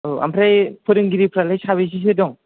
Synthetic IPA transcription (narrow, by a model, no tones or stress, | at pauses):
ɯa̰mpʰɾajpʰɯɾɯŋɡiɾipʰɾalajsaβis̬is̬ɯdɔŋ